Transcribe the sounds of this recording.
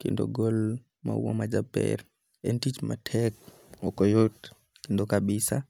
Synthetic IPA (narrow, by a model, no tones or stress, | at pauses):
kindɔɡɔl | ma̰wɔmad͡ʒabɛ̰ɾ | ʔentit͡ʃmatʰɛk | ɔkɔjot | kindɔkaɓisa